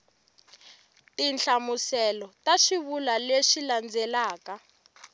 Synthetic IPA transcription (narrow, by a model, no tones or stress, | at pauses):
tint͡ɬamusɛlɔtaʃiβulaleʃiland͡zʱɛlaːka